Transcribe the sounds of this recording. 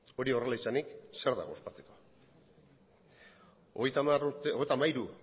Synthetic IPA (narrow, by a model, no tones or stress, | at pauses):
o̞ɾio̞re̞laisanikse̞ɾða̰ɣo̞st̪at͡se̥ko̞̥ | ɣjt̪aaruɾt̪oejt̪amaiɾu